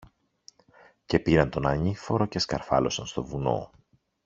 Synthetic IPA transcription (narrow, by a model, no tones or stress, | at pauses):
ce̞piɾɐnt̪o̞nɐɲifo̞ɾo̞ceskɐ̰ɾfɐ̰lo̞sɐnst̪o̞vuno̞̰